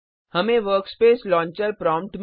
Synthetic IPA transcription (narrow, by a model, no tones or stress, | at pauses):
hɐmẽʋəɾkspeːslɔ̃ːɲt͡ʃəɾpɾɔːmʈm